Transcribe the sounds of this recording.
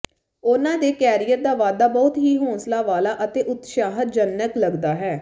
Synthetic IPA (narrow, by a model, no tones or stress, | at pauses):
ʊnãːd̪eːkɛːɾijət̪̚d̪aːʋaːd̪aːbɔːt̪ɦiːɦõːnslaːʋaːlaːʔət̪eːʔʊt̪ʃaːɦət̪̚d͡ʒənːəkləɡd̪aːɦɛː